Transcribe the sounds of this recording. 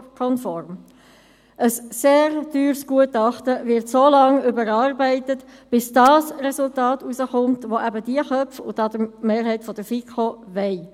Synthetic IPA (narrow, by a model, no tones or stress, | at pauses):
kʰɔnfɔɾm | ʔəsːeːɾd̥yːɾsɡ̥uətɑχtəvɪɾtsoːlɑŋʏbəɾɑːɾbɛɪtət | b̥ɪsd̥ɑːsrɛsʊltɑːtusəχʊmtʋoʔæbədiəχœfʊ̰tɑd̥əmeːɾɦɛɪtfɔd̥əfikʰoʋɛɪ